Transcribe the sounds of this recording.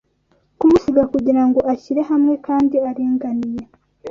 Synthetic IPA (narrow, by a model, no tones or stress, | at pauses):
kumusiɡakuɟiɾaŋɡo̞ʔaçiɾe̞ɦamŋe̞kaːndiaɾiːŋɡanije